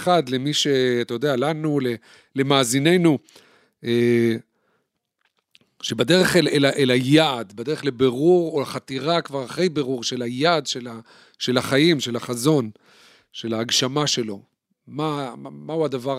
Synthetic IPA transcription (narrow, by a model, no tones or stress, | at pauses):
χad̪lemiʃe̞at̪ajod̪ealanule | le̞maːzine̞jnu | e | ʃebadeʁe̞χelelaʔelajaːd̪bad̪e̞ʁeχlebeʁuʁolaχat̪iʁakvaʁaχe̞jbe̞ʁuʁʃelajaːd̪ʃela | ʃe̞laχajimʃe̞laχazo̞n | ʃe̞laːɡʃamaʃe̞lo̞ | mamauad̪ava